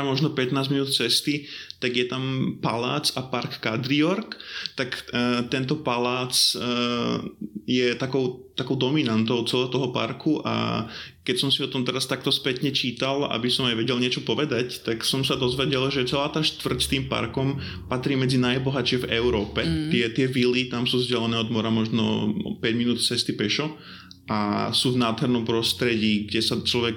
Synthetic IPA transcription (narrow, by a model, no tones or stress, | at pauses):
amɔʒnɔpɛt̪naːzminuːt̪̚t͡sɛst̪it̪aɡjɛt̪ampalaːt͡sapaɾkːad̪ɾiɔɾkt̪akt̪ɛnt̪ɔpalaːt͡s | jɛt̪akɔʊt̪akɔʊd̪ɔminant̪ɔʊt͡sɛlɛːɦɔt̪ɔɦɔpa̰ɾkʰuʔa̰kɛcsɔmsiɔt̪ɔmt̪ɛɾast̪ak̚t̪ɔspɛt̪ɲɛt͡ʃiːt̪ala̰bisɔmajʋɛɟɛlɲɪɛt͡ʃɔpɔʋɛd̪act̪aksɔmsad̪ɔzʋɛɟɛlʒɛt͡sɛlaːt̪aːʃt̪ʋr̩cst̪iːmpa̰ɾkɔm | pat̪ɾiːmɛd͡zinajbɔɦat͡ʃɪɛvɛʊɾɔːpɛt̪ɪɛt̪ɪɛvilit̪amsuːzɟɛlɛnɛːɔd̪mɔɾamɔʒnɔ̰pɛɟminuːt̪t͡sɛst̪ipɛʃɔ | asuːvnaːd̪ɦɛɾnɔmpɾɔst̪ɾɛɟiːɡɟɛsat͡ʃlɔʋɛk